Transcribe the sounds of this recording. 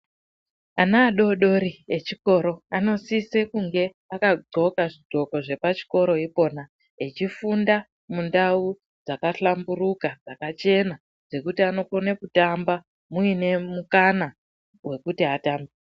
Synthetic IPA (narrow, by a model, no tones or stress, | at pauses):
anaːɗo̞ɗo̞ɾiet͡ʃiko̞ɾo̞ano̞sise̞kuŋɡe̞ | akaɡ͡ǀo̞kaʐiɡ͡ǃʱo̞ko̞ʐe̞pat͡ʃi̥ko̞ɾo̞ipo̞ːna | et͡ʃifunda | mundau | d͡zakaɬamburukad͡zakat͡ʃe̞na | d͡ze̞kutiano̞konekutamba | muine̞mukana | we̞kutiataːmbi